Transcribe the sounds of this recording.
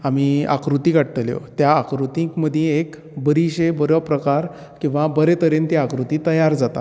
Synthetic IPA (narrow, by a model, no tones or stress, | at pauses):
amia̰kɾut̪ikaɽt̪əljo̰t̪jaːkɾut̪ĩkməd̪ʱjẽek | bəɾiɕebəɾəpɾəkaɾ | kĩw̃ʋabəɾet̪əɾent̪iakɾut̪it̪əjaɾd͡zat̪a̰